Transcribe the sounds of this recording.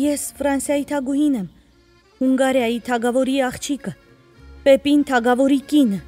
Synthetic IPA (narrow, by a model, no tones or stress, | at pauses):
jɛsfɾɑnsjɑjit̪ʰɑɡuhinɛm | huŋɡɑɾjɑjit̪ʰɑɡɑvɔɾiɑχt͡ʃʰikə | pɛpint̪ʰɑɡɑvɔɾikinə